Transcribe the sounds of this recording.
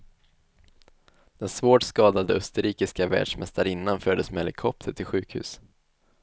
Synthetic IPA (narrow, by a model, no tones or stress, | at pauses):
d̪̥ɛnsvoːʈskɑːd̪ad̪əœst̪əɾiːkɪskavæ̰ːɖʂmɛst̪aɾɪnːanfœɖ̪ːəsmɛɛlɪkʰɔp̚t̪ʰəʈʰɪlɧʉ̟ːkhʉ̟̰ːs